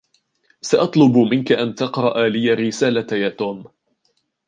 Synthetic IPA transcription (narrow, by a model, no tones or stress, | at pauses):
saʔɑt̪ˤlʊbmɪnkaʔant̪ɑqɾˤɑʔaːlɪjːaɾːɪsaːlajaːt̪uːm